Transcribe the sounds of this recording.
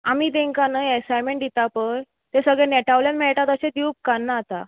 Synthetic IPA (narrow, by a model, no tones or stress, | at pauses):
amiːd̪ẽŋkanəesajmẽɳʈd̪it̪apəj | t̪esəɡɭẽnɛʈaʋljanmɛɭʈat̪əɕed̪iup̚kanːat̪a̰